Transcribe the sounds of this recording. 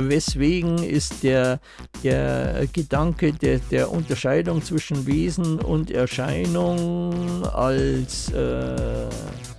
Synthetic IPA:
vɛsv̥eːɡŋ̩ɪ̰std̥eːɐ | d̥eːɐɡ̥ədaŋkəded̥eːɐʔʊntɐʃaɪdʊŋt͡sv̥ɪʃn̩veːzn̩ʊ̰ntɛɐʃaɪnʊŋ | a̰lsʔɛː

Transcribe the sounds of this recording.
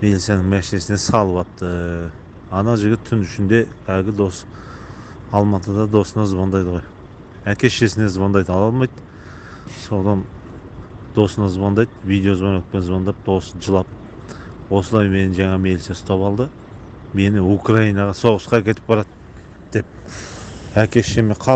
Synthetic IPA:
me̞lit̪sʲijenɪŋmæʃɪne̞sɪne̞sɑlˠəpɑt̪t̪ːə | ɑnɑʒɪɡʲɪt̪ʰːʏnʏʃɪnd̪e̞kʰæɡʲɪd̪o̞s | ɑlˠmɑt̪əd̪ɑd̪o̞sənɑzʊβɑnd̪ɑjd̪əʁoj | ækʲe̞ʃe̞sɪne̞zʊβɑnd̪ɑjd̪əɑlˠɑlˠmɑjd̪ | so̞nɑn | d̪̥o̞sənɑzʊβɑnd̪ɑjd̪vijd̪e̞o̞zbɑnet̪̚pe̞nzβɑnd̪ɑp̚d̪̥o̞sʒəlˠɑp̚ | wo̞səlˠɑjme̞nɪʒɑɴɑme̞lsesʊ̥t̪ɑpɑlˠd̪ə | me̞nɪukrɑijnɑʁɑso̞ʁəsqɑkʲʰe̞t̪ɪp̚bɑɾɑt̪ | d̪̥e̞p̚ | ækʲe̞ʃe̞meqʰɑ

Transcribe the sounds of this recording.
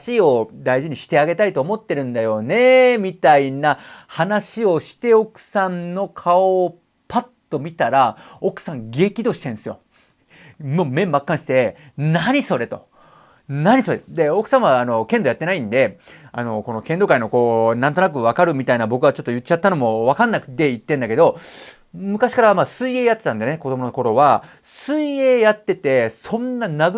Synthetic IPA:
ɕio̞d̪aiʑiɲ̟iɕi̥t̪e̞aɡe̞t̪ait̪o̞ːmo̞t̪ːe̞ɾɯ̟̃nd̪ajo̞ne̞mʲit̪ainahanaɕio̞ɕi̥t̪e̞o̞kɯ̟̥sãnno̞kʰao | pat̪ːo̞mʲit̪aɾao̞kɯ̟̥sãŋɡe̞ːkʲid̪o̞ːɕi̥t̪ẽɰ̃sɨjo̞̰ | momẽ̞mːakːãɰ̃ɕi̥t̪e̞naɲ̟iso̞ɾe̞t̪o | naɲ̟iso̞ɾed̪e̞o̞kɯ̟̥sãɰ̃βaːno̞kẽ̞nd̪o̞jat̪ːe̞naĩnd̪e̞a̰no̞ko̞no̞kẽnd̪o̞kaino̞ko̞ːnãnt̪o̞nak̬ɯ̟βakaɾɯ̟mʲit̪ainabo̞kɯ̟βat͡ɕo̞t̪ːo̞jɯt͡ɕːat̪ːano̞mo̞βakãnːakɯ̟̥t̪e̞it̪ːẽnd̪ake̞d̪o̞ | mɯ̟kaɕi̥kaɾamaːsɨie̞ːjat̪ːe̞t̪ãnd̪eneko̞d̪o̞monoko̞ɾo̞βa | sɨie̞ːjat̪ːe̞t̪e̞sõ̞nːanaɡɯ

